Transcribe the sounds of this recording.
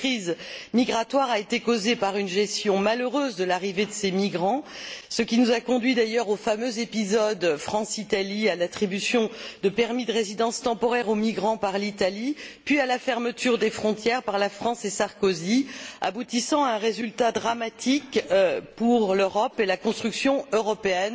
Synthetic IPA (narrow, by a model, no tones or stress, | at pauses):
kχizmiɡʁat̪waʁaet̪ekozepaʁynʒɛst̪jɔ̃maløʁøzd̪əlaʁived̪əsemiɡʁɑ̃səkʲinuzakɔ̃d̪ɥid̪ajœʁofamøzepizɔd̪fχɑ̃sit̪alialat̪χibysjɔ̃d̪əpɛʁmid̪əʁezid̪ɑ̃st̪ɑ̃pɔʁɛʁomiɡʁɑ̃paʁlit̪alipɥialafɛʁmət̪ʰyʁd̪efχɔ̃t̪jɛʁpaʁlafχɑ̃sesaʁkozia̰but̪isɑ̃aɛ̃ʁezylt̪ad̪ʁamat̪ʰikpuʁløʁɔpelakɔ̃st̪χyksjɔ̃øʁɔpeɛn